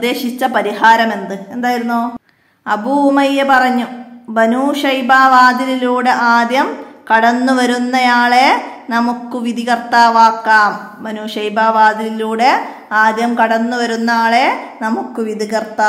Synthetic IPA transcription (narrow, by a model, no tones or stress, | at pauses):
d̪e̞ːɕit͡ɕːɐpɐɾihaːɾɐme̞nd̪ɨe̞nd̪aːjiɾunːoː | ɐbumɐjepɐrɐɲːubɐnuːʂɐjbaːʋaːd̪ililuːɽeʔaːd̪jɐmkɐɽɐnːuʋɐɾunːɐjaːɭe̞nɐmukːɨʋid̪iɣɐrt̪aːʋaːkːaːm | bɐnuːʂɐjbaːʋaːd̪ililuːɽe | aːd̪jɐmkɐɽɐnːuʋɐɾunːaːɭe̞nɐmukːɨʋid̪iɣɐrt̪aː